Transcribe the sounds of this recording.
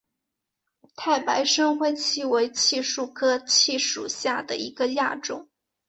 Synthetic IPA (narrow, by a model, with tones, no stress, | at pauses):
t̪ʰa˥˩ɪpa˧˥ɪʂɤ˥ŋxwe˥˧ɪt͡ɕʰi˥˩we˧˥ɪt͡ɕʰi˥˧ʂu˥˩kʰɤ˥t͡ɕʰi˥˧ʂṵ˨˩ɕja˥˩d̪ə̰˩ḭ˧˥ɡə˧ja˥˧ʈ͡ʂʊ̰˨˩˦ŋ